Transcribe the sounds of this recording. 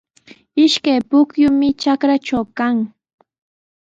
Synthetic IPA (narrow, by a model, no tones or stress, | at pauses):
ɪʃkajpʊkjʊmɪt͡ʃakɾat͡ʃawkaŋ